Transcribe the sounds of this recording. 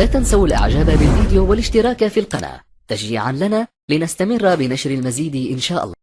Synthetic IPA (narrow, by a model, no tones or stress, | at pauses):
laːt̪ansawalʔa̰ʕd͡ʒaːbabɪlviːd̪ɪjuːwalɪʃt̪ɪɾˤɑːkafiːlqɑna̰ː | t̪aʃiːʕanlanaː | lɪnast̪amɪrːbɪnaʃɾalmaziːd̪ʔɪnʃaːʔɑ̰lˤːɑː